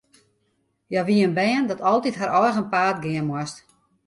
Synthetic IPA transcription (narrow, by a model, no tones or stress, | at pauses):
jaʋiənbɛːəndɔtʰɔlˠtitɦaɾʔɔjxənpaːtɡɪənmwɔst